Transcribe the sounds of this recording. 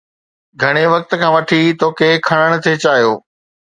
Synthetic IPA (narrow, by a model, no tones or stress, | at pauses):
ɡʱɐɽ̃eʋɐk̚t̪̆kʰãːʋɐʈʰit̪ʰoːkekʰɐɽ̃əɽ̃̆t̪ʰet͡ɕaːɦijoː